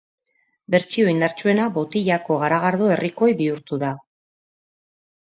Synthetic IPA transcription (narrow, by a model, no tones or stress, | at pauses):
be̞ɾt͡ʃio̞ind̪aɾt͡ʃue̞nabo̞t̪iʎako̞ɣaɾaɣ̞aɾðue̞rʔiko̞jβiuɾt̪uða